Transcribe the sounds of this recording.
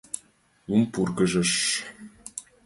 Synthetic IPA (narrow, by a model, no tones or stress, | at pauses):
umpurɡɤ̆ʒɤ̆ʃ